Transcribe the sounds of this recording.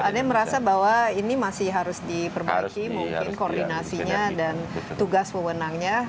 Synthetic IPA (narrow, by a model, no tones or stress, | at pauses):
adaməɾasabawainimasɪɦaɾʊsdipərba̰ikimuŋkɪnkordinasiɲadant̪uɡaspəwənaŋɲa